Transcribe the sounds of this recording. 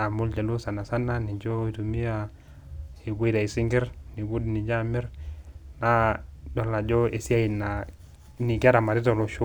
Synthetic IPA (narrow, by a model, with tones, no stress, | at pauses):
a˨mu˦ld͡ʒa˨lu˦sa˨na˨sa˦nːa˦ni˨d͡ʒo˦i˨tu˨mi˦a˦ | i˨bi˦da˨i˨si˦ŋɡɛ˦ɾni˨bu˦dni˨d͡ʒa˦mɛ˦ɾna˦dɔ˨la˨d͡ʒɔ˦e˨si˦a˦i˨na˨ | ni˨ka˦ɾa˨ma˨ɾi˦to˨lo˨ʃu˦